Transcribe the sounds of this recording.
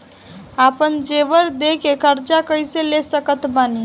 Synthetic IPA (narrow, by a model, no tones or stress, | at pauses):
apənd͡ʒeʋəɾd̪ekekəɾt͡ʃakəjselesəkət̪bani